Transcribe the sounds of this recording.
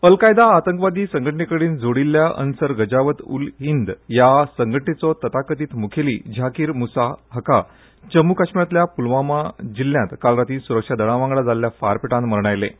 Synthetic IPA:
əlkajd̪aːt̪əŋkʋad̪iːsəŋɡʱəʈɳikəɽiːnd͡zoɽilːjaʔə̰nsəɾɡəd͡ʑaʋət̪ṵlɦind̪jasəŋɡʱəʈɳit͡sɔt̪ət̪akət̪iːt̪mukʰelḭːd͡ʑʱakiːɾmusaɦəka | t͡ɕəmukaɕmjat̪ljapulʋamad͡ʑilːjãt̪kalɾat̪iːsuɾəkʂad̪əɽ̃ãʋãŋɡɭad͡zalːjafaɾpiʈãnməɾɳajlḛ

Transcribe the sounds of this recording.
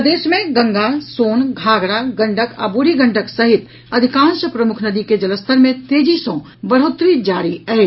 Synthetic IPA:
d̪eːʃmẽɡɐ̃ŋɡasoːnɡʱaːɡɽaɡɐ̃ɳɖəka̰bʊɽiɡə̃ɳɖəksɐɦɪt̪ | ɐd̪ʱɪkãːnʃəpɾɐmʊkʰnɐd̪iked͡ʒɐləst̪ʰəɾmẽt̪eːd͡ʒisõ | bɐɽ̤oːt̪ɾid͡ʒaːɾiɐɦeː

